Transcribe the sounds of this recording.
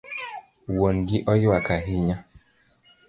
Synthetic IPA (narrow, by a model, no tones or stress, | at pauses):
wonɡɪʔɔjɪwakaɦiɲa